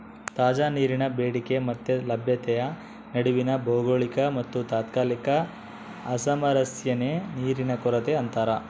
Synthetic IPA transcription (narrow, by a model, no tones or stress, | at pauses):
t̪aːd͡ʒaːniːɾinɐbeːɽike̞mɐt̪ːelɐbʱjɐt̪ɛjɐ | nɐɽuʋinɐbʱoːɡoɭikɐmɐt̪ːut̪aːt̪kaːlikɐː | sɐmɐɾɐsjɐneniːɾinɐkɔɾɐt̪eɐnt̪aːɾɐ